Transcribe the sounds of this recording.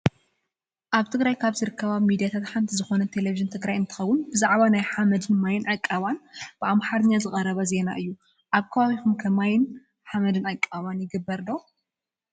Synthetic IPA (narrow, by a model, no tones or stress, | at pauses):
ʔaβt̪ʰɨɡɾajkʰaβzɨɾɨkʰːɐβamid̪ijat̪ʰat̪ħant̪ʰizɨxo̞nɐt̪ʰe̞leviʒɨnt̪ʰɨɡɾajɨnt̪ʰɨ̥xɐwːʊnbɨzaʕβanajħamɐd̪ɨnmajɪnʕakʼːaβanb̥ɨʔamħaɾɨɲːazɨxʼɐɾɐβɐze̞na̰ʔɨjːu | ʔaβkʰɐβaβixumkʰɐmajɪn | ħamɐd̪ɨnakʼːaβanjɪɡɨbːɐɾd̪o